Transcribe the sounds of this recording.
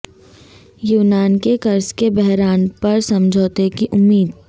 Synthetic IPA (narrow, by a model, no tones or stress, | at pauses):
juːnaːnkekɐɾskebɛɦɾaːnpɐɾsɐ̃md͡ʒʱoːt̪ekiʔʊmːiːd̪